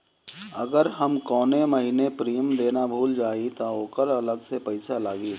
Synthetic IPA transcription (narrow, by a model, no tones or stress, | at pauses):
ɐ̰ɡəɾɦɐmkɔːnemɐɦinepɾiːəmd̪eːnabʱuːld͡ʒaːit̪ooːkəɾɐləɡsepɐɪsalaːɡiː